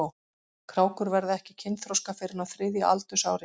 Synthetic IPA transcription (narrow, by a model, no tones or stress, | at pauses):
kʰɾaːwkʏɾvɛɾðɪɛhcɪcʰɪnt̪θɾowskafɪːɾɪnawθɾɪðja̰ʔa̰lt̪ʏsa̰ːwɾɪ